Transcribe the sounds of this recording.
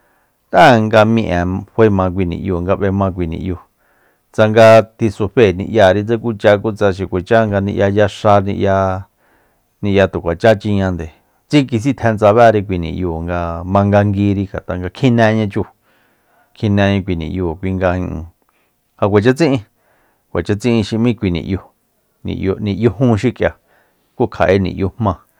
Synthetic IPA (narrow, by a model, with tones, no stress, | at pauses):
t̪a˦˨ŋɡa˧mĩ˧ʔã˨hʷe˧˦mã˧kʷi˧nḭ̃˨ʔju˧˨ŋɡa˧βe˧mã˧k̬ʷi˧nḭ̃˧ʔju˧˨ | t͡sa˧ŋɡa˧t̪i˧su˧ɸe˧˨nḭ̃˧ʔja˧˨ɾi˧t͡se˦ku˦t͡ʃa˧ku˦t͡sa˧ʃ̬i˨kʷe˨t͡ʃa˦ŋɡa˧nĩ˧ʔja˧ja˧ʂa˧nĩ˧ʔja˧ | nĩ˧ja˧t̪u˨kʷa˨t͡ʃa˦t͡ʃi˧ɲã˧nd̪e˨ | t͡si˦ki˧s̬i˦t̪ʰɛ̃˧nt͡sa˧βa˦˧ɾi˧kʷi˧nḭ̃˧˨juː˧˨ŋɡa˧mã˧ŋɡa˧ŋɡi˧ɾi˧ɡa˨t̪a˧ŋɡa˧kʰĩ˦nẽ˧ɲã˧t͡ʃu˧˨ | kʰĩ˧nɛ̃˧ɲã˧kʷi˧nḭ̃˨ʔjoː˧˨kʷi˧ŋɡa˧ĩ˧ʔũ˧ | ha˧kʷe˨t͡ʃa˦t͡sĩ˦ʔĩ˧ | kʷe˨t͡ʃa˦t͡sĩ˦ʔĩ˧ʃi˧mĩ˦˧kʷi˧nḭ̃˨ʔjo˧ | nḭ̃˨ʔjo˧nĩ˧ʔjo˧ɦũ˦ʃi˦kʼja˧˨ | ku˦kʰa̰˨ʔe˧˦nḭ̃˨jo˧hmã˧